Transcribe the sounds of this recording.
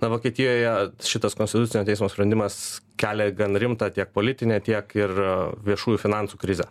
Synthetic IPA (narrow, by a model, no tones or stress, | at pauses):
nɐʋoːkʲiɛt̪ʲɪjoːjɛʃʲɪt̪ɐskonʲt̪ʲɪt̪ʊt͡s̪ʲɪnʲoːt̪ʲɛɪsmoːsʲpɾʲɛnd̪ʲɪmɐskʲæːlʲeːɡɐnɾʲɪmt̪ɑːt̪ʲiɛk̚poːlʲɪt̪ʲɪnʲeːt̪ʲiɛkɪrʋʲiɛʃuːjuːfʲɪnɑnsuːkɾʲɪzʲɛ